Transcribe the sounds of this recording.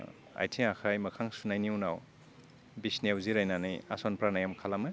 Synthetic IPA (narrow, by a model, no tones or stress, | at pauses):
a̰jtʰiakʰajmɐkʰaŋsunajniunaw | bisnewziɾajnanɯja̰sɔnpɾanajamkʰalamɯ